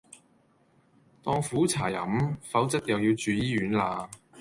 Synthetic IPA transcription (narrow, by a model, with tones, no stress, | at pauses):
t̪ɔː˧ŋfuː˨˥t͡sʰa̰ː˨˩jɐ̰˨˥mfɐ˨˥wt͡sɐ˥t̚jɐ˨wji˧wt͡ʃyː˨˧jiː˥ɥyː˨˥nlaː˧